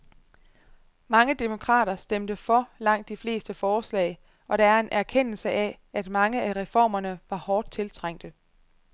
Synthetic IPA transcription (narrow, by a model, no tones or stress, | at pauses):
mɑ̈ŋəd̥emo̝kʰʁɑ̰̈ːɾ̥ɐsd̥emd̥əfɒ̽lɑ̈ŋ̰d̥ːifle̝̰ːsd̥əfɒːslɛ̰ɪ | ʔɒ̽ɾ̥ɑ̈æɐe̝nʔæɐkʰen̰l̩səʔæ | æd̥mɑ̈ŋəʔæʁɛfɒ̰ːmɐnəʋɑ̈hɒːd̥̚t͡sʰe̝lt͡sʰʁaŋ̰d̥ə